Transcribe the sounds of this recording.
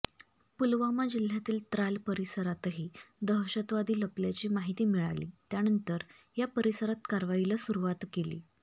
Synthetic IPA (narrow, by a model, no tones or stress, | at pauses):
pulʋamad͡ʑil̤ːjat̪iːlt̪ɾalpəɾisəɾat̪ɦiːd̪əɦɕət̪ʋad̪iːləpljat͡ɕiːmaɦit̪iːmiɭa̰lḭːt̪janənt̪əɾ | japəɾisəɾat̪kaɾʋailəːsuɾuʋat̪kelḭː